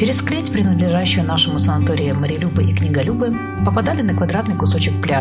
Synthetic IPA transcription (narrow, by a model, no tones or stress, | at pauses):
ɪɾʲɪsklʲetʲpɾʲɪnəd̪lʲɪʐaɕːɪjənaʂɨmʊsənɐt̪oɾʲɪɪməɾʲɪlʲubɨʔiknʲɪɡɐlʲubɨ | pəpad̪alʲɪnəkvɐd̪ɾat̪nɨjkʊso̞t͡ɕɪkplʲa